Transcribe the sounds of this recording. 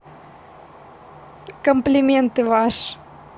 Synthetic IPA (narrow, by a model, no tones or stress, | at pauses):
kõmplimẽnt̪evaʃ